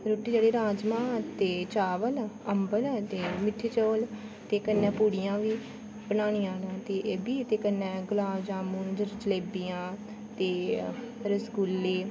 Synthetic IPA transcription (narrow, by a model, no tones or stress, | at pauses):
ɾoːʈːiːd͡ʒeːɽeːɾaːd͡ʒmãːt̪eːt͡ʃaːʋələmbəlt̪eːmɪʈʰːeːt͡ʃoːl | t̪eːkənːɛ̃ːpuːɽɪjãːʋiː | bənaːnijãːnãːt̪eːʔebiːt̪eːkənːɛ̃ːɡʊlaːd͡ʒãːmũnd͡ʒəɾd͡ʒəleːbijãː | t̪eː | ɾəsɡʊlːeː